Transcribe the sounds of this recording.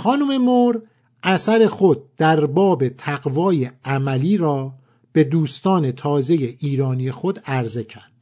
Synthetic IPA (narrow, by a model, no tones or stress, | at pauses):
xɒːnuːme̞moɾ | ʔæsæɾe̞xod̪̥̚ːæɾbɒːbe̞t̪ʰæɡvɒːjeæmæliːɾɒː | b̥e̞d̪uːst̪ɒːne̞t̪ʰɒːze̞jeʔiːɾɒːnije̞xod̪æɾze̞cʰæɾd̪̥